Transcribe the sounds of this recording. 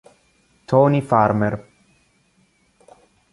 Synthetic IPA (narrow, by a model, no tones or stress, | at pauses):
t̪ʰoːnifaːɾmɛɾ